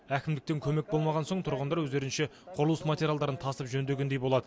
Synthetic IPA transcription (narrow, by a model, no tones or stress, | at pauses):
ækʲɪmd̪ɪk̚t̪e̞ŋkʲʰɵme̞k̚bo̞lˠmɑʁɑnso̞ɴt̪ʰʊɾʁənd̪ɑɾwɵzd̪e̞ɾɪnʃeqʰʊɾəlˠuəsmat̪ʲeɾʲjalˠd̪ɑɾənt̪ʰɑst̪əpʒɵnd̪e̞ɡʲend̪ejbo̞lˠɑd̪ə